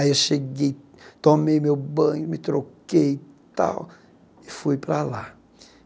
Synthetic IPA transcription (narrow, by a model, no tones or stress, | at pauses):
aiewʃeɡej | t̪omejmewbɐ̃ɲʊmɪt̪ɾokkejt̪a̰w | ɪfujpɾala